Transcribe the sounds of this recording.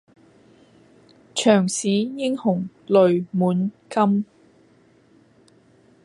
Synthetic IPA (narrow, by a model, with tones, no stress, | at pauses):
t͡ʃʰœː˨˩ŋsiː˨˥jɪ˥ŋhʊ˨˩ŋ | lɵ˨ɥmuː˨˥nkɐ˥m